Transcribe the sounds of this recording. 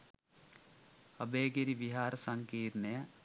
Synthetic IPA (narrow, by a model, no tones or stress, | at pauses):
ɐbeːɡɐɾiʋiɦaːɾɐsɐŋkiːɾnɐjɐ